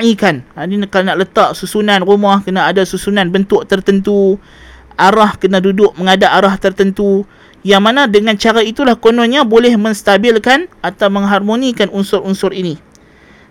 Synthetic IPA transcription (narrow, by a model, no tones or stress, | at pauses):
ikananikalanaʔlət̪aʔsusunanrumahkənaːdasusunanbənt̪ʊʔt̪ərt̪ənt̪u | aɾahkənadudʊʔ̚məŋadaʔaɾaht̪ərt̪ənt̪u | jaŋmanãdəŋant͡ʃaɾait̪ulahkonɔnɲãbolɛhmə̃ŋst̪abɪlkanat̪awməŋɦarmonikanunsʊɾunsʊɾini